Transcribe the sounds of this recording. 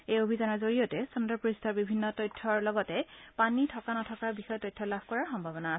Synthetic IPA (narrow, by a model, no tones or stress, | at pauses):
ejobʱizanɔɹzoɹiotɛsundɔpɹistʰɔɹbibʱinːɔtɔjtʰːɔɹlɔɡɔtɛpanitʰɔkanɔtʰɔkaɹbixɔjɔtɔjtʰːɔlabʱkɔɹaɹxɔmbʱabɔnaːsɛ